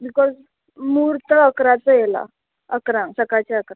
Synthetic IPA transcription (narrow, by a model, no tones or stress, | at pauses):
bikɔz | muːɾt̪əəkɾat͡səjela̰ | əkɾãsəkat͡ɕaəkɾã